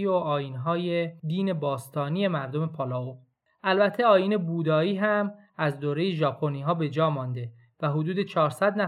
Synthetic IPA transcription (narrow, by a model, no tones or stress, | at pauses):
ioɒːjiːnɦɒːjed̪iːne̞bɒːst̪ʰɒːnije̞mæɾd̪o̞me̞pʰɒːlɒːo | ʔælbæt̪ʰːe̞ɒːjiːne̞buːd̪ɒːiːɦæm | æzd̪oːɾe̞jeʒɒːpʰo̞niːɦɒːbe̞d͡ʒɒːmɒːnd̪e̞ | væɦod̪uːd̪e̞t͡ʃʰɒːɾsæd̪næ